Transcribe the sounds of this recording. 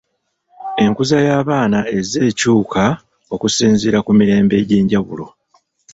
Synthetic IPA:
e̞ŋkuzajaːβaːnae̞ze̞ːcuːkʰa | o̞kusiːnziɾakumiɾe̞ːmbe̞ːɟeːɲɟaβṵlo̞̰

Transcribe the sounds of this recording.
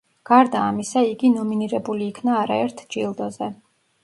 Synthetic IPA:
ɡ̥aɾd̪aːmisaiɡinɔminiɾɛbuliːkʰnaːɾaɛɾt̪ʰd͡ʒilˠd̪ɔzɛ

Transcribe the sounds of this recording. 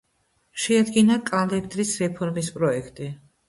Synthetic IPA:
ʃɛad̪ɡinakʼalɛbd̪ɾisɾɛpʰɔɾmispʼɾɔɛkʰt̪ʼi

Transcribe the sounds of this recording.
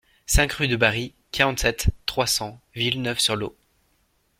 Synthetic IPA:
sɛ̃kʁyd̪əbaʁi | kaʁɑ̃t̪sɛt̪ːχwasɑ̃vilnœfsyʁlo

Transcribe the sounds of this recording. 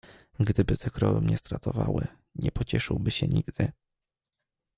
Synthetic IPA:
ɡd̪ɘbɘt̪ʰɛkɾɔvɘmɲɛst̪ɾat̪ɔvawɘ | ɲɛpɔt͡ɕɛʂɘwbɘɕɛɲiɡd̪̥ɘ

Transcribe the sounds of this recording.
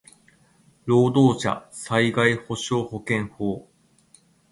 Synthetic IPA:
ɾo̞ːd̪oːɕa̰saiɡaiho̞ɕo̞ːho̞kẽ̞ɰ̃hoː

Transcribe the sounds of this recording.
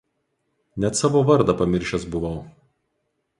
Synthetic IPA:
nʲɛt̪sɑːʋoːʋɐɾd̪ɐpɐmʲɪɾʲʃʲɛsbʊʋɐʊ

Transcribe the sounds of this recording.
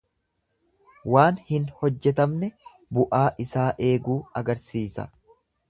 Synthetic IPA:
waːnhɪnhɔd͡ʒːɛt̪ɐmnɛ | bʊʔaːʔɪsaːʔe̞ːɡuːɐɡɐɾsiːsɐ̰

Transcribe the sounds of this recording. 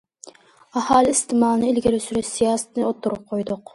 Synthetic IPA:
ɑhɑːlˠɨist̪ʰɪmɑːlˠɨnɨilɡʲilysyɾyʃsijɑːsɛ̥t̪ʰnɨot̪ʰːuɾʊp̚qʰojd̪ʊq

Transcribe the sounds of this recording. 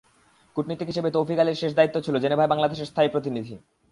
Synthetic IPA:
kuʈnit̪iɦiʃebet̪owfikaleɾʃeʃd̪ait̪ːot͡ɕʰilod͡ʑenebʱaebaŋlad̪eʃeɾst̪ʰaipɾot̪̬inid̪ʱi

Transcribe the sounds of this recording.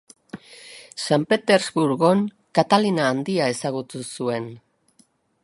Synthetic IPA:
sampe̞t̪e̞ɾzβuɾɣo̞n | kat̪alinaːnd̪iae̞saɣ̞ut̪usue̞n

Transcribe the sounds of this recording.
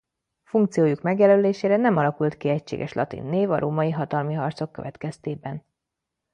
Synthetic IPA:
fuŋkt̪sijoːjukmɛɡjɛløːleːʃeːɾɛnɛmɒlɒkult̪kiɛcʃḛːɡɛʃlʔɒ̰t̪ḭnːeːvɒɾoːmɒjiɦɒt̪ɒlmiɦɒrt̪so̞kːøvɛt̪kɛst̪eːbɛn

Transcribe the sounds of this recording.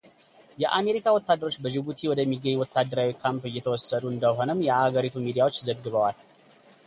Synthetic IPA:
jɛʔame̞ɾikʰawɔt̪ːad̪ːəɾo̞t͡ʃːbəd͡ʒɪbut̪ʰiwɔd̪əmːiɡːəɲːwɔt̪ʰːad̪ːəɾawikʰampɨjːɛt̪ʰəwɔsːəd̪uɨnd̪əɦo̞nəmːjɛaɡəɾit̪ʰumid̪ijawot͡ʃːzəɡːɨβəwal

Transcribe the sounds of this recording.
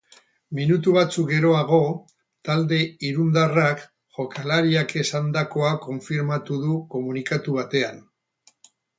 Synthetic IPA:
minut̪uβ̞at͡suk̚ɡe̞ɾo̞aɣ̞o̞ | t̪ald̪e̞iɾund̪arak | ʝo̞kʰalaɾiake̞sand̪ako̞ako̞ɱfiɾmat̪uðuko̞munikat̪uβ̞at̪e̞an

